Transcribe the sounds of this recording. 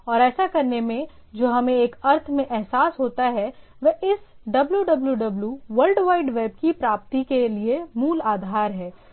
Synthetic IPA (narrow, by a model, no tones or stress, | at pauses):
ɔːɾɛːsakɐɾnemẽd͡ʒoːɦɐmẽeːkɐɾt̪ʰmẽʔɛɦsaːsɦoːt̪aɦɛʋɛʔɪs | ɖɐbljuɖɐbljuɖɐbljuʋɐɾlɖʋaːɪɖʋeːb̚kipɾaːp̚t̪ikeliemuːlaːd̪ʱaːɾɦɛː